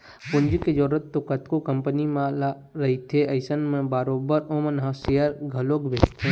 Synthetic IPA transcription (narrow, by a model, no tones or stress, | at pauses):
pʊnd͡ʒked͡ʒoːɾət̪t̪ːokət̪kokə̃mpənimãla | ɾɐɦit̪ʰeɐɪsənmẽbaɾoːbəɾõmənɦãseəɾɡʱɐloːɡbeːst̪ʰe